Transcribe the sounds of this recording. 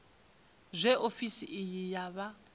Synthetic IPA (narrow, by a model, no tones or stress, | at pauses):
zʷɛʔofisiʔijijaβa